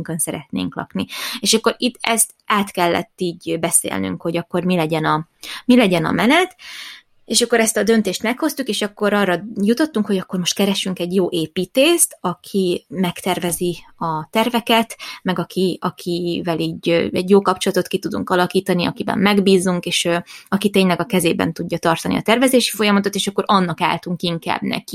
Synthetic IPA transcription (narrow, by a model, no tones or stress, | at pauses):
ŋkønsɛɾɛt̪nḛːŋklɒ̰knieːʃɒkːo̞ɾit̪ːɛst̪ | aːt̪kɛlːɛ̰t̪ːiːɟbɛsḛːlny̰ŋkho̞ɟɒkːo̞rmilɛɟɛnɒ | milɛɟɛnɒ̰mɛnɛt̪ | eːʃɒkːo̞ɾɛst̪ɒd̪ø̞nt̪eːʃt̪mɛkho̞st̪ukeːʃɒkːo̞ɾɒrːɒjut̪o̞t̪ːuŋkho̞ɟɒkːo̞rmo̞ʃt̪kɛɾɛʃyŋkɛɟjoːʔeːpiːt̪eːst̪ɒkʰimɛkt̪ɛrvɛziɒt̪ɛrvɛkɛt̪mɛɡɒkʰiɒkʰivɛliːɟøɛɟjoːkɒpt͡ʃolɒt̪o̞t̪kit̪ud̪ṵŋkɒlɒkiːt̪ɒniɒkibɛ̰mːɛɡbiːzuŋkeːʃøɒkit̪eːɲlɛɡɒkɛzeːbɛ̰nt̪uɟːɒt̪ɒrt̪ɒnḭɒ̰t̪ɛrvɛzeːʃi̥fo̞jɒmɒt̪ot̪eːʃɒkːo̞ɾʔɒnːɒka̰ːlt̪uŋkiŋka̰ːbnɛ̰ki